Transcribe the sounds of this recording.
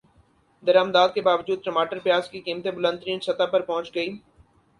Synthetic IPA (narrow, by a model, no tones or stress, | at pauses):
d̪ɐɾaːmd̪aːd̪̚kebaːʋd͡ʒuːd̪̚pɾəmaːʈəɾpɪjaːzkikiːmt̪ebʊlə̃nt̪ɾiːnsɐt̪apɐɾpɔ̃ɦʊt͡ʃɡəiː